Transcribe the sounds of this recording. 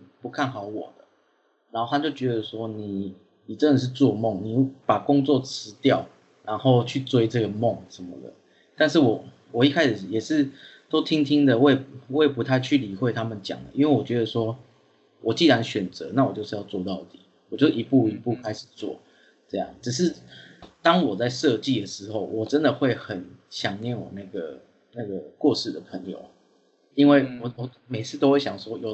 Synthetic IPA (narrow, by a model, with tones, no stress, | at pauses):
pu˧˦kʰa˥˩nxɑ˨˩˦ʊwɔ̰˨˩d̪ə˦ | na˨˧nxo˥˩t̪ʰa˥˧t͡ɕjo˥˩ʊt͡ɕɥɛ˧˦d̪ə˧swɔ˥ni˨˩ | ni˨˩ʈ͡ʂə˥nə˨˩ʂ̬̩˥˧t͡swɔ˥˧mɔ˥˨ŋni˨˩pa˨˩kʊ˦ŋt͡swɔ˥˨t͡s̩ʰ˧˥˦t̪jɑ˥˩ʊ | na˧˦nxo˥˧ʊt͡ɕʰy˥˨t͡swe˥ɪʈ͡ʂɤ˥˩ɡə˩mɔ˥˨ŋʂə˧˦nmə̰˨d̪ə̰˨˩ | t̪a˥˧nʂ̬ɻ̩˥˩wɔ˨˩ | wɔ˨˩i˥kʰa˥ɪʂ̩˨˩jɛ˨˩ʂɻ̩˥˩t̪o˥ʊt̪ʰi˦ŋt̪ʰi˦ŋd̪ə˨wwe˥˩pu˧˥t̪ʰa˥˧ɪt͡ɕʰy˥˩li˨˩xwe˥˧ɪt̪ʰa˥mə˨nt͡ɕja̰˨˩ŋd̪ə̰˦i˦nwe˥˩wɔ˨˩t͡ɕɥɛ˧˥d̪ə˧swɔ˥ | wʔɔ˨˩t͡ɕi˥˩ɻa˧˦nɕɥɛ˨˩nt͡sɤ˧˦na˥˩wɔ˨˩t͡ɕo˥ʊʂ̩˥˧jɑ˥˧ʊt͡swɔ˥˧t̪ɑ˥˩ʊt̪i̥˨˩ | wɔ˨˩t͡ɕjo˥˩˨i˧˥pu˥˩i˧˥pu˥˩kʰa˦ɪʂ̩˨˩t͡swɔ̰˥˨˩ | ʈ͡ʂɤ˥˧jɑ̰˥˩ŋʈ͡ʂɻ̩˨˩ʂ̬ɻ̩˥˩t̪ɑ˦ŋwɔ˨˩t͡sa˥˧ɪʂɤ˥˧t͡ɕi˥˩d̪ə˩ʂɻ̩˧˥˦xo˥˩ʊwʔɔ˨˩ʈ͡ʂə˦nd̪ə˨xwe˥˩ɪxə˨˩nɕjɑ˨˩ŋnjɛ˥˨nwɔ̰˨˩na˥˩ɡə̰˩ | na˥˩ɡə˩kwɔ˥˧ʂɻ̩˥˩d̪ə˩pʰə˧˦ŋjo̰˨˩ʊ | i˦nwe˥˩ɪwɔ˨˩wɔ˨˩ | me˨˩ɪt͡sʰɹ̩˥˩t̪o˥ʊxwe˥˩ɕjɑ˨˩ŋʂwɔ˥jo˨˩